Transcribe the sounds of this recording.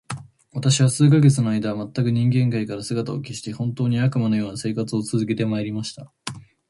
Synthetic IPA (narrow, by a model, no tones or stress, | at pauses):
βat̪aɕiβasɨːk̬aɡe̞t͡sɨno̞aid̪aβmat̪ːakɯ̟ɲ̟ĩŋɡẽ̞ŋkaikaɾasɨɡat̪aokʲiɕi̥t̪e̞hõ̞nt̪o̞ːɲ̟iakɯ̟mano̞jo̞ːnase̞ːkat͡sɨo̞t͡sɨzɨke̞t̪e̞maeɾʲimaɕi̥t̪a